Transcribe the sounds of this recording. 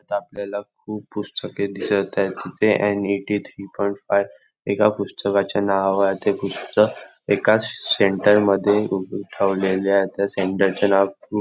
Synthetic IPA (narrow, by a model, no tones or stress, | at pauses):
at̪apljalakʰuːppːust̪əked̪isəɭt̪ajt̪ːit̪ʰeʔɛniʈit̪ʰɾipɔj̃ɳʈfajʋ | ekapust̪əkat͡ɕjanaʋaʋajat̪epust̪ək | ekaseɳʈəɾməd̪ʱːjeuʈʰaʋlelaet̪jaseɳʈəɾt͡ɕanaʋku